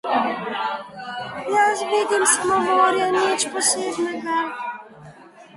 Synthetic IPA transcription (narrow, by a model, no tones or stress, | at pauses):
jasʋiːd̪imsmɔʋoːɾjanit͡ʃpɔseːbnɛɡa